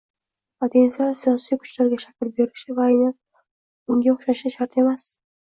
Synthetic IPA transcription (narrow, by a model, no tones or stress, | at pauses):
mat̪ʰenslaɾsijɒsijkʰʊ̥t͡ʃlaɾɡʲaʃakʲɪlbeɾɪʃɪvaːjna | ʊŋɡʲaʊχʃaʃɪʃaɾt̪ʰe̞mas